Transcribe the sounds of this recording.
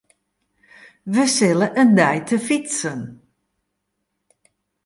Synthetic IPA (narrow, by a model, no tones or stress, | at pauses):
ʋəsɪləʔəndɛjtʰəfitsən